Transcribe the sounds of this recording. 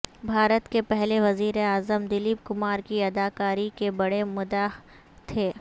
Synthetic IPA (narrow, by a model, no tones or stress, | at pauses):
bʱaːɾət̪kepɛɦleʋɐziːɾeaːzəmd̪ɪliːb̚kʊmaːɾkiɐd̪aːkaːɾikebɐɽemʊd̪aː | t̪ʰeː